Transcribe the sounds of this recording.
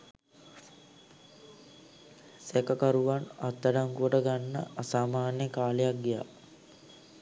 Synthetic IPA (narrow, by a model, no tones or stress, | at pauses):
sekəkaɾuʋanat̪ːaɖaŋkuʋəʈəɡanːə̰ʔasaːmaːnjəkaːlejak̚ɡija̰